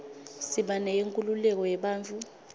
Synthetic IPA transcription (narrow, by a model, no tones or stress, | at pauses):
siɓanɛjeŋkʼululɛk̬ɔjɛɓaːnt͡fʰʼu